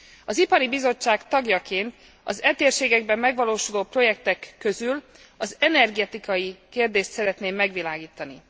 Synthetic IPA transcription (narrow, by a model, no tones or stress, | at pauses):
ɒzipɒɾibizo̞t͡ʃːaːkt̪ɒɡjɒkeːnt̪ | ɒ̰zɛt̪eːrʃeːɡɛɡbɛmːɛɡʋɒloːʃuloːpro̞jɛk̚t̪ɛkːøzyl | ɒzɛnɛrɡɛt̪ikɒjikeːrd̪eːʃt̪sɛɾɛt̪neːmːɛɡʋilaːɡiːt̪ɒni